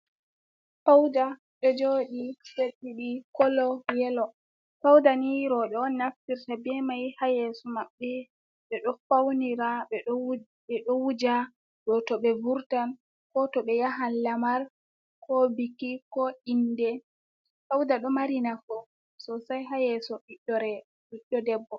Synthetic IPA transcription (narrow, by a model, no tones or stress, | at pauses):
fawda | ɗɔd͡ʒoɗiseɗːiɗikɔlɔjɛlɔ | fawdaniɾɔɗɛɔnːaftiɾtabɛmajhajɛsɔmaɓːɛ | ɓɛɗɔfawniɾaɓɛ | ɓɛɗɔwud͡ʒa | ɗɔtɔɓɛvuɾtan | kɔtɔɓɛjaɦanlamaɾ | kɔbikikɔindɛ | fawdaɗɔmaɾinafɔ | sɔsajɦajɛsɔɓiɗːɔɾɛ | ɓiɗɔdɛbːɔ